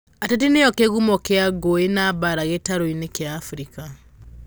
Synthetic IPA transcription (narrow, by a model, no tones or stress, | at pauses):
atet̬ineɔkeɣumɔkeaɡoenaːbaɾaɣetaɾoinekjaːfɾika